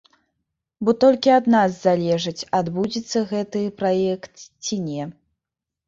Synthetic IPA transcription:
bɔt̪ɔlʲkʲiad̪nazzalʲɛʐɨt͡sʲad̪bud͡zʲit̪sːɐɣɛt̪ɨpɾajɛkt̪t͡sʲinʲɛ

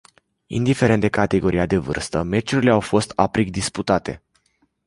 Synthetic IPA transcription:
ḭnd̪ife̞ɾe̞nt̪d̪ekat̪e̞ɡo̞ɾʔijad̪e̞vɨ̰rst̪əme̞t͡ʃuɾile̞awfo̞st̪apɾik̚d̪isput̪at̪e̞̰

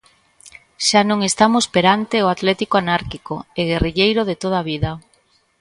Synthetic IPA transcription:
ʃanõŋest̪amospeɾant̪eoat̪lɛt̪ikoanaɾkikoeɣeriʎejɾoð̞et̪oð̞aβiðɐ

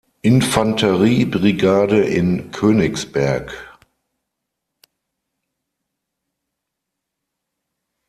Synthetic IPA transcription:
ʔɪnfantʰəʁiːbʁiɡaːdəʔɪnkʰøːnɪksb̥ɛɐk

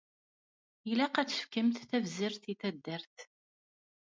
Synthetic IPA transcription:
jilæqæt͡sːə̥fkəmθθævziɾθiθæd̪ːəɾθ

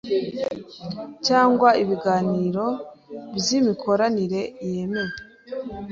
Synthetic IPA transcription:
caːŋɡwaiβiɡaːniːɾo̞βzimikʰo̞ɾaniɾe̞je̞me̞je

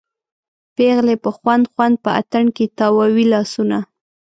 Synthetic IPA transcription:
peɣlepəxwand̪xwand̪̚pəa̰t̪əɳket̪ɑwɑwilɑsuna

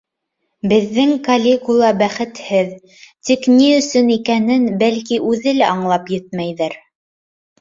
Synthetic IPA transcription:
bɘ̆ðːɘŋkɐlʲekulˠɑbæχɘ̆t̪hɘð | t̪ikniɵ̆sɵnikænɘnbælkiʔʉðɘlæɑɴlˠɑpjɘt̪̚mæjðɘɾ

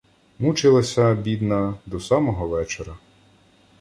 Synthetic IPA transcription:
mut͡ʃɪlˠɐsʲɐbʲid̪nɐd̪ɔsɑmɔɦɔʋɛt͡ʃeɾɐ

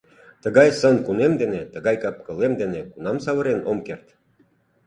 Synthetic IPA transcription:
t̪əɣɑjsənkunemd̪enet̪əɣɑjkɑp̚kə̆lemd̪enekunɑmsɑβə̆ɾenomkert̪

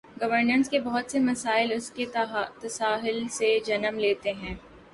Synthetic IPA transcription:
ɡɐʋəɾnənskebɔɦʊt̪semɐsaːɪlʊsket̪ɐsaːɦɪlsed͡ʒɐnəmleːt̪eɦɛ̃ː

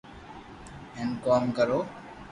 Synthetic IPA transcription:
ẽːnkoːmkəɾoː

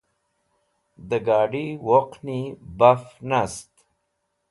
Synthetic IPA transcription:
d̪əɡɑːɖiwoqnibafnast̪

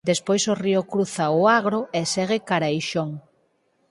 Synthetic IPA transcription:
d̪espojsoriʊkɾuθaʊaɣ̞ɾoesɛɣ̞ekaɾajʃoŋ

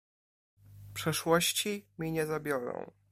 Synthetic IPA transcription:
pʂɛʂwɔɕt͡ɕimʲiɲɛzabʲjɔɾɔ̰̃w̃

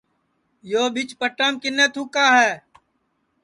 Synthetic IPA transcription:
joːbɪt͡ʃpəʈaːmkɪneːt̪ʰuːkaːɦɛː

